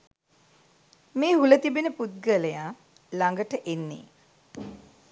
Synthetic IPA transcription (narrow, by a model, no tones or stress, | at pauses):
meːɦulət̪ibenəput̪̚ɡələjaː | laŋɡəʈəʔenːḛː